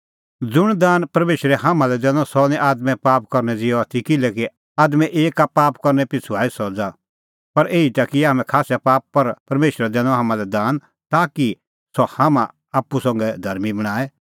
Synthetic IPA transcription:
d͡zʊɽ̃d̪aːnpɐɾmeːʃɾɛɦaːmãlɛd̪ɛ̃ːnɔ̃sɔnɛ̃ʔaːd̪mɛ̃paːpkɐɾnɛd͡zɪjɔat̪ʰikɪlɛki | aːd̪mɛ̃ʔeːkapaːpkɐɾnɛpɪt͡sʰuaːisɔd͡za | pɐɾʔeːit̪aːkiaːmɛ̃kʰaːsjapaːppɐɾpɐɾmeːʃɾɛd̪ɛ̃ːnɔ̃ɦaːmãlɛd̪aːn | t̪aːki | sɔhaːmã | aːpːusɐ̃ŋɡɛd̪ʱɐɾmibɐɽ̃aːɛ

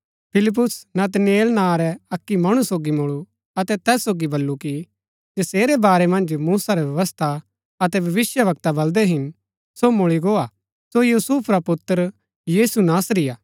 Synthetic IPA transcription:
pʰɪlɪp̬ːʊsnɐt̪ɐnjeːlnãɾɛɐkːimɐɽ̃usoːɡimʊɭu | ɐt̪ɛt̪ɛːsːoːɡibɐlːuki | d͡ʒɐseːɾɛbaːɾɛmɐ̃nd͡ʒmuːsaɾɛbʋjɐʋəst̪ʰa | ɐt̪ɛbʱɐʋɪsjəʋɐk̚t̪abɐld̪ɛɦɪn | somʊɭiɡoːa | sojuːsuːpʰɾapʊt̪ːəɾ | jiːsunaːsɾɪjaː

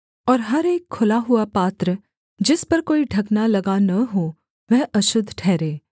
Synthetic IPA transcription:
ɔːɾɦɐɾeːkʰːʊlaɦʊapaːt̪ɾə | d͡ʒɪspɐɾkoːiɖʱɐɡnalɐɡanɐɦoː | ʋɛɦɐʃʊd̪ʱːʈʰɛːɾeː

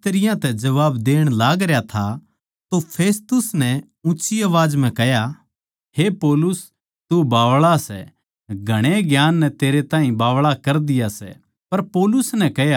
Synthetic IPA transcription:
t̪ɐɾɪjãt̪ɛd͡ʒɐʋaːbd̪eːɽ̃laːɡɾejat̪ʰa | t̪opʰeːst̪ʊsnɛ | ʊ̃ːʃiɐʋaːd͡ʒm̤ɛ̃kɛɦja | hepɔːlʊs | t̪ubaːʋɭasɛ̰ | ɡʱɐɽ̃eɡjaːnːɛt̪eːɾet̪ãːɦĩbaːʋɭakɐɾd̪ɪjasɛ̰ | pɐɾpoːlʊsnɛkɛɦja

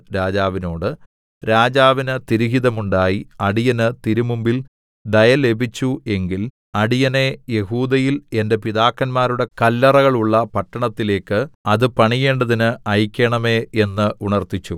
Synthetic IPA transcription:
ɾaːd͡ʑaːʋino̞ːɽɨ | ɾaːd͡ʑaːʋinɨt̪iɾiɦiðɐmuɳɖaːjiɐɽijɐnɨt̪iɾumumbil | ɖ̪ɐjɐle̞bʱit͡ɕːue̞ŋɡil | ɐɽijɐne̞je̞ɦuːd̪ɐjile̞nde̞piðaːkːɐnmaːɾuɽe̞kɐlːɐrɐɣɐɭuɭːɐpɐʈːɐɳɐt̪ːile̞ːkːɨɐðɨpɐɳije̞ːɳɖɐðinɨɐjkʲːeɳɐme̞e̞nːɨuɳɐrt̪it͡ɕːu

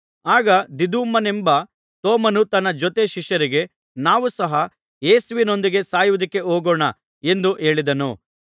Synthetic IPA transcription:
aːɡɐd̪id̪uːmɐnembɐ | t̪oːmɐnut̪ɐnːɐd͡ʒɔt̪e̞ʃiʂjɐɾiɡe̞ | naːʋusɐɦɐ | eːsʋino̞nd̪iɡe̞saːjuʋud̪ɐkːe̞oːɡoːɳɐ | e̞nd̪uʔe̞ːɭid̪ɐnṵ

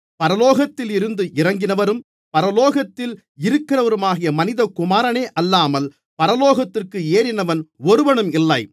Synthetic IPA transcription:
pɐɾɐloːɣɐt̪ːɪlɪɾɯnd̪ɯʔɪɾɐŋɡɪnɐʋɐɾɯm | pɐɾɐloːɣɐt̪ːɪl | ɪɾɯkːɪɾɐʋɐɾɯmaːɣɪjɐmɐnɪðɐkʊmaːɾɐneːʔɐlːaːmɐl | pɐɾɐloːɣɐt̪ːɪrkɯeːɾɪnɐʋɐnɔɾɯʋɐɳɯmɪlːɐɪ

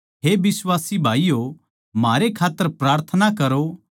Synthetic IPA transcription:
ɦebɪswaːsibʱaːijo | maːɾekʰaːt̪ːəɾpɾaːɾt̪ʰənakɐɾo

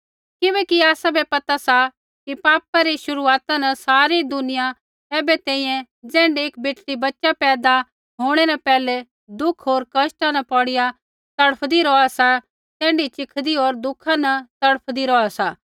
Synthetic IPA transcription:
kɪbɛːkiaːsabɛpɐt̪asa | kipaːpaɾiʃʊɾuaːt̪anɐsaːɾid̪ʊnɪja | ɛːbɛt̪ɛ̃ːĩjɛ̃ | d͡zɛ̃ːɳɖieːk̚beːʈlibɐtːʃapɛːd̪a | ɦoːɽ̃ɛnɐpɛːlɛ | d̪ʊkʰɦoːɾkɐsʈanɐpɔɽɪja | t̪ɐɽəpʰd̪iɾɔasa | t̪ɛ̃ːɳɖit͡ʃɪkʰd̪iɦoːɾd̪ʊkʰanɐt̪ɐɽəpʰd̪iɾɔasaː

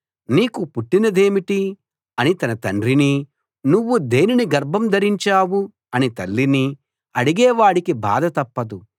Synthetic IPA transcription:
niːkupuʈːinɐd̪eːmiʈi | ɐnit̪ɐnɐt̪ɐɳɖɾini | nuʋːud̪e̞ːniniɡɐɾbʱɐmd̪ɐɾiɲt͡ʃaːwu | ɐnit̪ɐlːini | ɐɽiɡɛːʋaːɽikiba̰ːd̪ɐt̪ɐpːɐd̪u

